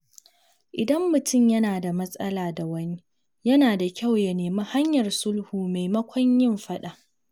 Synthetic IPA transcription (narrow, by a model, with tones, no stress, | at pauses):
ʔɪ˨dɐ˦mːʊ˨tʰʊ˦˨mjɐ˦naː˨da˨mɐ˦sʼɐ˦laː˨da˨wɐ˦ni˦ | jɐ˦naː˨da˨kʲa˦˨wjɐ˨neː˨ma˦ha˦ɲjɐ˨rsʊ˦lhuː˨me˨jmɐ˦kʷɔ˦ɲjɪ˦˨mɸɐ˦ɗa˨ʔ